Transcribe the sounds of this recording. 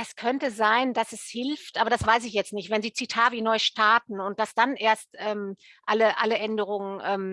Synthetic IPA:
ɛskʰœntəzaɪnd̥asɛshɪlftʔaːbɐɾdasv̥aɪs̬ɪçjɛt͡stnɪçtvɛnziːt͡sitʰaːvinɔʏʃtʰaɐtn̩ʊnt̚d̥asd̥anʔeːɐstʔɛːm | ʔaləʔaləʔɛndəʁ̞ʊŋənʔɛːm

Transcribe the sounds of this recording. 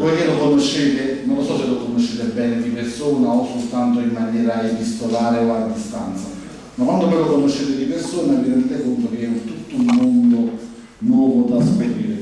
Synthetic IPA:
pɔjkelːokonoʃːeːt̪enonlosɔselokonoʃːeːt̪ebɛːned̪ipersoːnaosːolt̪ant̪oimːanjɛːɾaebist̪olaːɾeoad̪ːist̪ant̪sa | makwand̪ovɔjlokonoʃːet̪ɪd̪ipersoːnaviɾɛnd̪t̪ɛkont̪ok̟eɛunt̪ut̪ːoumːond̪o | nwɔːvod̪aspeɾiːɾe

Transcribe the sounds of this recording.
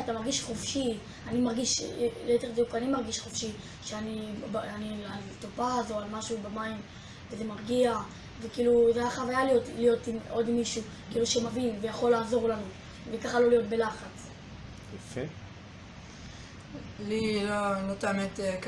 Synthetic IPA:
atamaʁɡiʃχofʃi | animaʁɡiʃooteʁbdukanimaʁɡiʃχofʃi | ʃeanibanialtopaːzo̞almaʃubamaim | vezemaʁɡia | vekiːluzeaχavajalijo̞tlijo̞timo̞dimːiʃukiːluʃemavinvejaχo̞lːaːzo̞ʁlanu | vekaχalo̞lijo̞tbe̞laχat͡s | jafe | lilolot̪amet̪ek

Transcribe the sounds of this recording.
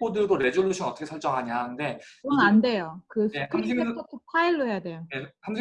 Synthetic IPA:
odɯɭɡoɾe̞d͡ʑuɭːuɕʰinʌt͈ʰʌkʰeɭt͡ɕ͈ʌŋɦaɲaɦanɯnde̞kɯʌnande̞jokɯsekʰaetʰotʰepʰaiɭːoɦe̞jadwe̞jojesʰaŋe

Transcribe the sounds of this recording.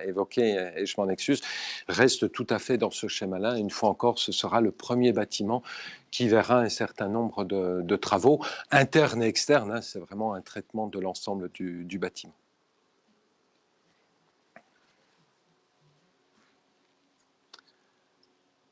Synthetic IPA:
evɔkʲeːʒəmɑ̃nɛkskʲyzʁɛst̪ət̪ut̪afɛd̪ɑ̃səʃɛmalaynfwaɑ̃kɔʁsəsəʁaləpχəmjebat̪ʰimɑ̃kʲʰivɛʁaɛ̃sɛʁt̪ɛ̃nɔ̃bʁəd̪əd̪ət̪χavoɛ̃t̪ɛʁneɛkst̪ɛʁnɛ̃sɛvʁɛmɑ̃ɛ̃t̪χɛt̪mɑ̃d̪əlɑ̃sɑ̃bləd̪yd̪ybat̪ʰimɑ̃

